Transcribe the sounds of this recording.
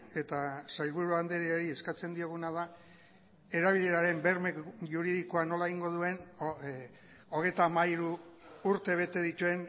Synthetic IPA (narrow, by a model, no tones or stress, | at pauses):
e̞t̪asajlβuɾuand̪eɾioɾie̞skat͡se̞nd̪io̞ɣ̞unað̞a | e̞ɾaβ̞iʎe̞ɾaɾe̞mbe̞ɾmekʝuɾiðikoano̞laeɣiŋɡo̞ðue̞n | o̞ɣ̞e̞jt̪aːmaiɾuːɾt̪e̞β̞e̞t̪e̞ð̞it̪ue̞n